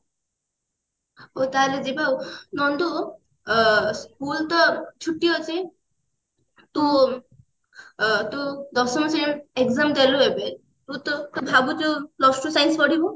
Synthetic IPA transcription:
ot̪aled͡zibaunɔnd̪u | skult̪ɔt͡ʃʰuʈːijɔt͡sĩ | t̪ũ | t̪ud̪ɔsɔmɔsieɡzamd̪eluebe | t̪ut̪ɔt̪ubʱabut̪ulɔsʈusajnspɔɽibɔ

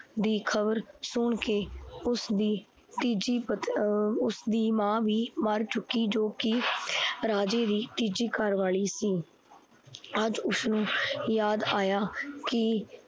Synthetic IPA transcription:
d̪iːkʰəbəɾsʊɳkeːʊsd̪iː | t̪iːd͡ʒiːpət̪ʊsd̪iːmãːʋiːməɾt͡ʃʊkːiːd͡ʒoːkɪ | ɾaːd͡ʒeːd̪iːt̪iːd͡ʒiːkəɾʋaːɭiːsiː | əd͡ʒʊsnũːjaːd̪aːjaːkɪ

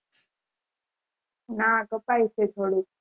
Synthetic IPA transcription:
nakəpaiset̪ʰoɽuk̚

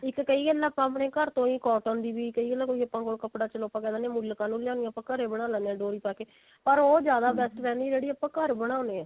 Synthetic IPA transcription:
ɪkːəiːɡəlːaːpãːpɽeːkəɾt̪õːĩːkɔːʈənd̪iːbiːkəiːɡəlãːkoːiːəpːãːkoːlkəpɽaːt͡ʃəloːpãːkɛːd̪aːnẽːmʊlːkaːnũːljaːnijãːpãːkəɾeːbəɽ̃aːlɛːneãːɖoːɾiːpaːkeː | pəɾoːd͡ʒjaːd̪aːbɛːsʈɾɛːniːd͡ʒeːɽiːəpːãːkəɾbəɽ̃ãːneːaː

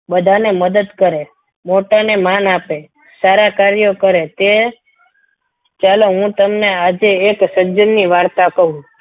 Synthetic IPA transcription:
bəd̪ʱaneməd̪əd̪kəɾe | moʈanemanape | saɾakaɾjokəɾet̪e | t͡ʃaleɦũt̪əmnead͡ʒeːksəd͡ʒənːiʋaɽt̪akəɦũ

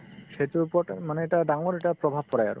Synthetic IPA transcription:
setupɔmanɛɛʈadaŋɔɹɛʈapɹɔbʱab̚kɔɹaja̰ɹʊ̰

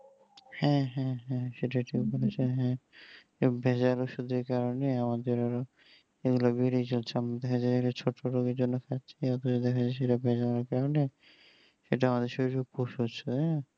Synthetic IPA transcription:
hɛ̃ɦɛ̃ɦɛ̃ʃeʈaeʈibolet͡ɕʰeɦɛ̃ | bʱɛd͡ʑaloʃud̪ʱeɾkaɾoneamad̪eɾaɾo | eɡulobiɽit͡ɕolt͡ɕʰeamɾad̪ɛkʰad͡ʑajeɡulat͡ɕʰoʈʰːoɾoɡeɾd͡ʑonːokʰatːt͡ɕʰiɔt̪ʰot͡ɕod̪ɛkʰad͡ʑajʃ̬eʈabʱɛd͡ʑalaɾkaɾone | ʃeʈaamad̪eɾʃobiʈʰub̚koʃot͡ɕʰoɦɛ̃

